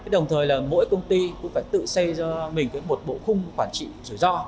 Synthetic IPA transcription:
aː˨˦jɗə˨˩wŋ͡mt̪ʰəː˨˩jlaː˨˩mo̰˧˥jkə˧wŋ͡mt̪i˧kʊ̰˧˥faː˧˩jt̪ɨ̰˧˨sə˧jzɔ˧mï˨˩ŋ̟kaː˨˦jmo˨˩t̚ɓo̰˧˨xʊ˧ŋ͡mkwaː˧˩nt͡ɕḭ˧˨zɨ˧˩jzɔ˧

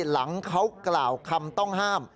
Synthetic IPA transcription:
la˩˦ŋkʰa˦˥wklaː˨˩wkʰa˧mt̪ɔ˥˩ŋɦaː˥˩m

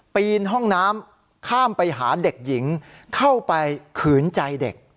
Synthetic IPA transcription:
piː˧nɦɔ˥˩ŋnaː˦˥m | kʰaː˥˩mpa˧jɦaː˩˦de˨˩k̚ji˩˦ŋkʰa˥˩wpa˧jkʰɯː˩˦nt͡ɕa˧jde˨˩k̚

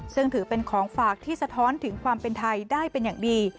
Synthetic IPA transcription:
sɯ˥˩ŋt̪ʰɯː˩˦pe˧nkʰɔː˩˦ŋfaː˨˩k̚t̪ʰiː˥˩sa˧t̪ʰɔː˦˥nt̪ʰɯ˩˦ŋkʰwaː˧mpe˧nt̪ʰa˧jdaː˥˩jpe˧njaː˨˩ŋdiː˧

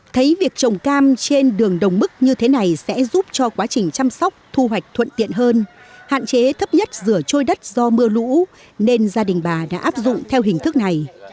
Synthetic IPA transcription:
t̪ʰə˨˦jvi˨˩ək̚t͡ɕə˨˩wŋ͡mkaː˧mt͡ɕe˧nɗɨ˨˩əŋɗə˨˩wŋ͡mmɨ˦˥k̚ɲɨ˧t̪ʰe˨˦na˨˩jsɛ̰˧˥zu˦˥p̚t͡ɕɔ˧kwaː˨˦t͡ɕï˨˩ŋ̟t͡ɕa˧msɔ˦˥wk͡p̚t̪ʰu˧ɦwa˨˩jk̟̚t̪ʰwə̰˧˨nt̪ḭ˧˨ənɦəː˧n | ha̰ː˧˨nt͡ɕe˨˦t̪ʰə˦˥p̚ɲə˦˥t̚zɨ˧˩ət͡ɕo˧jɗə˦˥t̚zɔ˧mɨ˧əlṵ˧˥ | ne˧nzaː˧ɗï˨˩ŋ̟ɓaː˨˩ɗa̰ː˧˥ʔaː˦˥p̚zʊ̰˧˨ŋ͡mt̪ʰɛ˧wɦï˨˩ŋ̟t̪ʰɨ˦˥k̚na˨˩j

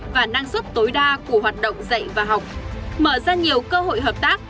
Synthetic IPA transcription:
vaː˨˩naː˧ŋswt̚t̪o˨˦jɗaː˧ku˧˩əɦwaː˨˩t̚ɗə̰˧˨wŋ͡mzə̰˧˨jvaː˨˩ɦa˨˩wk͡p̚mə̰ː˧˩zaː˧ɲi˨˩əwkəː˧ɦo̰˧˨jɦəː˨˩p̚t̪aː˦˥k̚

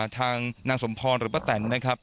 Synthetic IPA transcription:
t̪ʰaː˧ŋnaː˧ŋso˩˦mpʰɔː˧nɾɯː˩˦pa˦˧˩t̪ɛ˩˦nːa˦˥kʰa˦˥p̚

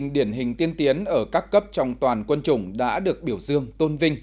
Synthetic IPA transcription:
ŋɗi˧˩ənɦï˨˩ŋ̟t̪i˧ənt̪i˨˦ənʔəː˧˩kaː˦˥kːə˦˥p̚t͡ɕɔ˧wŋ͡mt̪waː˨˩nkwə˧nt͡ɕʊ˧˩ŋ͡mɗa̰ː˧˥ɗɨ˨˩ək̚ɓi˧˩əwzɨ˧əŋt̪o˧nvï˧ŋ̟

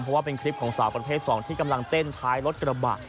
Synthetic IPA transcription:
mpʰɾɔ˦˥waː˥˩pe˧nkʰɾi˦˥p̚kʰɔː˩˦ŋsaː˩˦wpɾa˧tʰeː˥˩t̪sɔː˩˦ŋt̪ʰiː˥˩ka˧mla˧ŋt̪e˥˩nt̪ʰaː˦˥jɾo˦˥t̪̚kɾa˧ba̰˨˩t̪̚

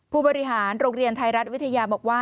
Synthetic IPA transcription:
pʰuː˥˩bɔː˧ɾi˦˥ɦaː˩˦nɾoː˧ŋɾi˧ənt̪ʰa˧jɾa˦˥t̪̚wi˦˥t̪ʰa˧jaː˧bɔː˨˩k̚waː˥˩

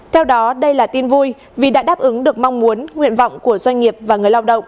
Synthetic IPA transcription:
t̪ʰɛ˧wɗɔ˨˦ɗə˧jlaː˨˩t̪i˧nvu˧j | vi˨˩ɗa̰ː˧˥ɗaː˦˥p̚ʔɨ˨˦ŋɗɨ˨˩ək̚ma˧wŋ͡mmu˨˦ənŋwḭ˧˨ənvɔ̰˧˨wŋ͡mku˧˩əzwa˧jŋ̟ŋi˨˩əp̚vaː˨˩ŋɨ˨˩əjlaː˧wɗə̰˧˨wŋ͡mʔ

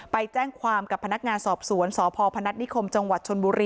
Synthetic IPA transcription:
pa˧jt͡ɕɛː˥˩ŋkʰwaː˧mka˨˩pʰːa˧na˦˥k̚ŋaː˧nsɔː˨˩p̚su˩˦ənsɔː˩˦pʰɔː˧pʰa˧na˦˥t̪̚ni˦˥kʰo˧mt͡ɕa˧ŋwa˨˩t̪̚t͡ɕʰo˧nbuː˧ɾiː˧

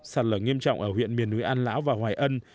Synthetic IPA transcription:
saː˧˩t̚ləː˧˩ŋi˧əmt͡ɕɔ̰˧˨wŋ͡mʔəː˧˩hwḭ˧˨nmi˨˩ənːu˨˦jʔaː˧nlaː˨˦wvaː˨˩hwaː˨˩jʔə˧n

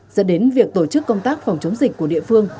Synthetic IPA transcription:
zə̰˧˥nɗe˨˦nvi˨˩ək̚t̪o˧˩t͡ɕɨ˦˥kːə˧wŋ͡mt̪aː˦˥k̚fa˨˩wŋ͡mt͡ɕə˨˦wŋ͡mzï˨˩k̟̚ku˧˩əɗḭ˧˨fɨ˧əŋ

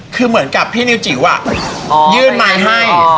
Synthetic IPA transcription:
kʰɯː˧mɯ˩˦ənka˨˩pʰːiː˥˩ni˦˥wt͡ɕi˩˦wʔa̰˨˩ʔ | jɯː˥˩nma˧jɦa˥˩j

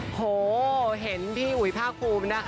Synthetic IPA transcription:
hoː˨˩˦ɦe˩˦nt̪ʰiː˥˩ʔu˨˩˦pʰaː˥˩k̚pʰuː˧mna˦˥kʰ

